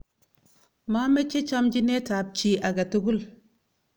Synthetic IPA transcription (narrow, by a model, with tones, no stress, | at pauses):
ma˦me˦t͡ʃːe˦t͡ʃa˦md͡ʒi˦ne˦ta˨b̚t͡ʃi˦a˨ɡa˨tu˦ɡu˦l